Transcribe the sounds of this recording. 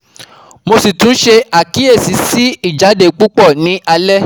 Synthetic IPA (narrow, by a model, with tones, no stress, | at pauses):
mo˧si˨tũ˨˦ʃe˧a˨ki˨˦e˦˨si˨˦si˦i˦˨d͡ʒa˨˦de˨k͡pu˦k͡pɔ˦˨nĩ˨˦ʔa˧lɛ˦